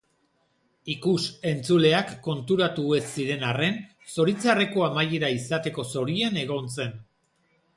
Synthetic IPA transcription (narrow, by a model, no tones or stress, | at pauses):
ikuse̞nt͡sule̞akːo̞nt̪uɾat̪ue̞siɾe̞nare̞n | so̞ɾit͡sareko̞amajeɾaisat̪e̞ko̞so̞ɾiane̞ɣ̞o̞nse̞n